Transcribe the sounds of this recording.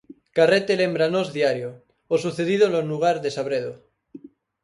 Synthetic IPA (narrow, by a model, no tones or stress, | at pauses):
karet̪elembɾanozðiaɾjo | osuθeðiðolonuɣ̞aɾðesaβɾeðo